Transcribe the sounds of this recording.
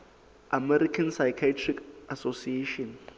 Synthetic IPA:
amɛɾikʰansajkʰatʰrikasosieʃɔn

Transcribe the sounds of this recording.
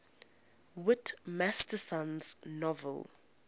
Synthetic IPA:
wɪtmastəsãnz̥nɔvə̰l

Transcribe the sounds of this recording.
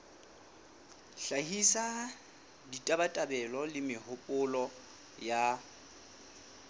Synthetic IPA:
ɬahisa | ditʼabatʼabɛlɔlɪmɪhʊpʼʊlɔ | ja

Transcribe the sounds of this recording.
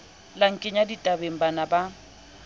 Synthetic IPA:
laŋ̩kʼɪɲaditʼabeŋ̩banaba

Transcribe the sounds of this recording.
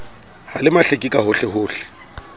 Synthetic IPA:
halɪmaɬekʼikʼaɦʊɬɪɦʊːɬɛ̥

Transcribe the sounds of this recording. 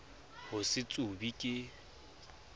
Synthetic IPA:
hʊsɪt͡sʼubikʼɪ

